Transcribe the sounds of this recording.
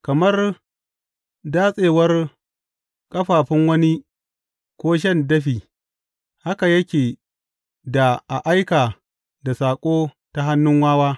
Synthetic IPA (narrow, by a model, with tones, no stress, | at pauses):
kɐ˨mɐ˦r | daː˦sʼeː˨wɐ˦r | kʼɐ˦ɸaː˨ɸɪ˦ŋwɐ˦ni˦ | kʷoː˦ʃ̬ɐ˦˨ndɐ˦ɸiː˨ | ha˦ka˨jɐ˦kʲeː˨ | da˨ʔa˨ʔa˦jkaː˨ | da˨saː˨kʷʼoː˦ | ta˦ɦa˦nːʊ˦ŋwaː˦waː˦